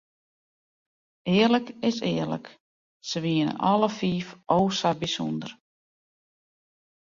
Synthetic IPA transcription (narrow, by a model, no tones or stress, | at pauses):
ɪːərləkɪsɪːərlə̰k | səʋiənə̰nʔɔləfiːfʔoːsabisṵndər